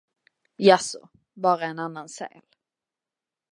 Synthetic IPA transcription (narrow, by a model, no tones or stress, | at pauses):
jasɔ̰ | bɑːɾaɛnanːansɛ̰ːl